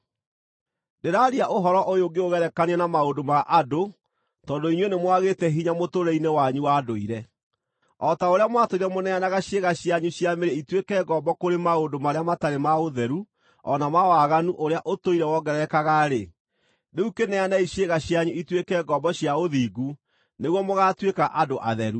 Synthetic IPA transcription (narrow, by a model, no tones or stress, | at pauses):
deɾaɾiaʔoɦɔɾɔʔojoɡeoɣɛɾɛkaniɛnamaondomaʔado | tɔːndoinwenemwaɣetɛɦiɲamotoɾɛinewaɲuwadoiɾɛ | ɔtaoɾeamwatoiɾɛmonɛanaɣaɕeɣaɕjaɲuɕjameɾɛitwekɛɡɔːbɔkoɾemaondomaɾeamataɾemaoðɛɾu | ɔnamawaɣanuʔoɾeaʔotoiɾɛwɔɡɛɾɛkaɣaɾe | neukenɛanaiɕeɣaɕjaɲuitwekɛɡɔbɔɕjaoðiːɡu | neɣwɔmoɣatwekaʔadoʔa̰ðɛɾu